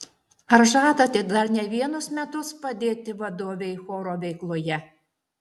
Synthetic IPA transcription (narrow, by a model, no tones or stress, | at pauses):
ɐɾʒɑːt̪ɐt̪ʲɪd̪ɐɾnʲɛʋʲiɛnʊsmʲɛt̪ʊspɐd̪ʲeːt̪ʲɪʋɐd̪oːʋʲɛɪxoːɾoːʋʲɛɪklˠoːjɛ